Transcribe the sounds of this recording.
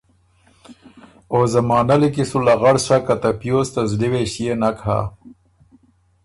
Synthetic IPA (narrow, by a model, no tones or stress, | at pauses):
oːzɐmɑːnɐlikisulaɣaɽʂakat̪ɐpjoːst̪azɖiweɕijenakha̰